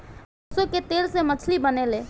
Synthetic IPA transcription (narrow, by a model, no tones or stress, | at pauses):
soket̪eːlsemət͡ʃʰlibəneleː